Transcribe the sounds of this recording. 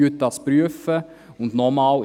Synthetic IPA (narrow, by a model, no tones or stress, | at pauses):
øt̚dɑspɾyəfə | ʊndnɔmɑːl